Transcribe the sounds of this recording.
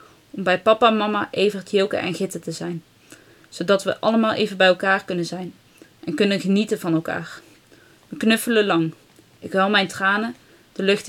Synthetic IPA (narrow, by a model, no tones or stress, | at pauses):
ɔmbɛjpɑpamɑmaʔejvərtjɪlˠkə̰ʔɛ̰nɣɪtətəzɛjn | z̥owdɑtʋə̰ʔɑ̰ləmaːlˠʔejvənbɛjɛlˠkaːɹkɵnənzɛjn | ʔɛnkɵnənχənitəvɑnɛlˠka̰ːɹ | ʋəknɵfələlɑŋ | ʔɪkʋɛlˠmɛjntraːnə | d̥əlɵχt